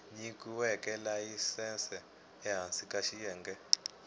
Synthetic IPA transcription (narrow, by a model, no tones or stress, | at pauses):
ɲikuwɛkʼɛlaisɛnsɛː | ɦansikʼaʃijɛːŋɡɛ